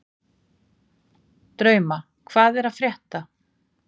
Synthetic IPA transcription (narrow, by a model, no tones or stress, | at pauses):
t̪ɾœːɥma | kʰvaːðɛɾaðfɾjɛht̪a